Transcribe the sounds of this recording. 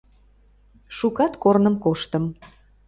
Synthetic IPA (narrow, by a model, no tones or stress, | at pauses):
ʃukɑt̪kornəmkoʃt̪əm